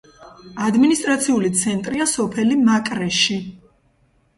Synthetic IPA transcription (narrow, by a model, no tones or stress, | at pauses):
ad̪minist̪ʼɾat̪sʰiulit̪sʰɛnt̪ʼɾiasɔpʰɛlimakʼɾɛʃi